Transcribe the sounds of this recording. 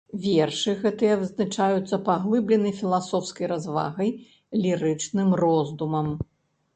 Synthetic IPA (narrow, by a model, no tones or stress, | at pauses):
vʲɛrʂɨɣɛt̪ɨjɐvɨznat͡ʂajut̪sːɐpaɣlˠɨblʲɛnɐjfʲilˠasɔwskɐjɾazva̰ɣɐj | lʲiɾɨt͡ʂnɨmrɔzd̪umɐm